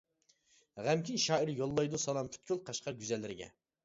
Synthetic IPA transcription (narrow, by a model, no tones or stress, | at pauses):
ʁæmkʲʰinʃɑːiɾjolˠːɑjd̪usɑlˠɑmpʰy̥t̪̚kʲʰylqʰɑʃqɑɡʲyzɛlːɪɾɪɡʲɛ̰